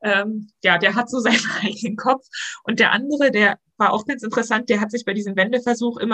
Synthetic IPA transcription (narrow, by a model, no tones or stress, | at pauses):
ʔɛːmjaːdeːɐɦatz̥oːzaɪnənʔaɪɡənənkʰɔfʔʊnt̚d̥eːɐʔa̰ndəʁ̞ədeːɐ | vaːɐʔa̰ʊxɡ̥ansɪntəʁəsant̚d̥eːɐɦatz̥ɪçb̥aɪdiːzəmvɛndəfɛɐzuːxʔɪ̰mɐ